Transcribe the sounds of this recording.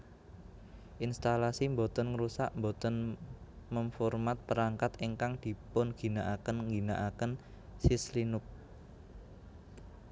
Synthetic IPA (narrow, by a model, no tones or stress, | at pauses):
ʔinst̪alasimbot̪ənŋəɾusa̰ʔmbot̪ɔn | məmfɔrmat̪̚pəɾaŋkat̪eŋkaŋd̪̥i̤pʊnɡ̥i̤naʔakənŋɡi̤naʔakən | sislinʊk̚